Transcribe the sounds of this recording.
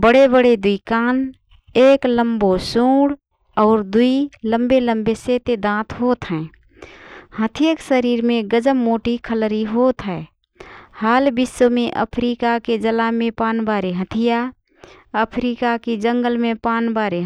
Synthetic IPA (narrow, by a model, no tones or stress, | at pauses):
bəɽebəɽed̪uikaːn | eːkləmbosũːɽ | ɔːɾd̪uilə̃mbeləmbeset̪ed̪ãːt̪ʰɦoːt̪ɦɛ̃ː | hət̪ʰijaksəɾiːɾmẽɡəd͡ʒəmːoːʈikʰəlɾiɦoːt̪ɦɛː | haːlbɪsːomẽʔə̰pʰɾikaked͡ʒəlamẽpaːnbaːɾeɦət̪ʰija | əpʰɾiːkakid͡ʒə̃ŋɡəlmẽpaːnbaːɾeɦ